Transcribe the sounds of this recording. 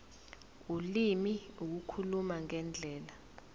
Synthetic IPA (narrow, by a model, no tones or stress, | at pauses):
ulimiuk̬ukʰulumaŋɛnd͡ɮʱɛːla